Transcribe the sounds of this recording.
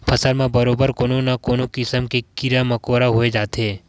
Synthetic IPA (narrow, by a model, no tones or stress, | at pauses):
pʰɐsəɾmẽbɐɾoːbəɾkoːnõnakoːnõkɪsəmkekɪɾamɐkoːɾaɦoːed͡ʒaːt̪eː